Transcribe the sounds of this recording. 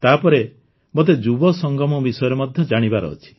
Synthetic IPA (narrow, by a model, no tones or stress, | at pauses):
t̪apɔɾe | mot̪̬ed͡ʒubɔsɔŋɡɔmɔbisɔjɔɾemɔd̪ʱjɔd͡ʒaɽ̃ibaɾɔ̰ːt͡ʃʰi̥